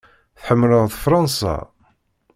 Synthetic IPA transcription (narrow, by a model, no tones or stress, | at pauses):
θħəmːləððfɾˤɑnsɑ̰